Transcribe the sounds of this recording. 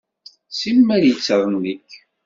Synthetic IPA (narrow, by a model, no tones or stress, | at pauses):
simːæɾjət͡sːəɾˤənnik